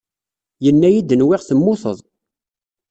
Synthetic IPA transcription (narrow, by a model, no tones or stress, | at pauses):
jənːæjid̪ənwɪʁθəmːʊθə̰ðˤ